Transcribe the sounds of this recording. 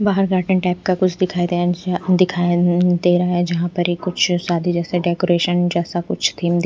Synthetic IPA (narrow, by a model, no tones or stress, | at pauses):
baːɦəɾɡaːʈə̃ɳʈɛːp̚kakʊt͡ʃʰd̪ɪkʰaːid̪ed̪ɪkʰaːd̪eːɾaaɦɛd͡ʒɐɦãpɐɾikʊt͡ʃʰsaːd̪ʱid͡ʒɛːseɖɛːkoɾeːʃənd͡ʒɛːsakʊt͡ʃʰt̪ʰiːmd̪